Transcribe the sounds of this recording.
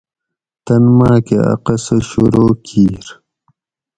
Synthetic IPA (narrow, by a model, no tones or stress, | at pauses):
t̪ɐnmaːkeɐ̰qɐsɐɕuɾoːkʰiːɾ